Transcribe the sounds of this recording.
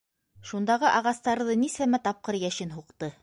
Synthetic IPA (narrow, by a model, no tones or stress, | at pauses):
ʃund̪ɑʁɤʔɑʁɑst̪ɑɾðɤnisæmæt̪ɑp̚qɤɾjæʃɘnɦuqt̪ɤ